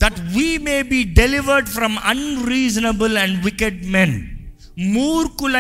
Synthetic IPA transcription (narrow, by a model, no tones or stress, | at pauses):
d̪̥æʈʋimeːbiːɖɛlɪʋəɾɖfɾɔ̃mʌ̰̃nɾiːzənəbəlɛ̃ɳɖʋɪkəɖmɛ̃n | muːɾkʊlã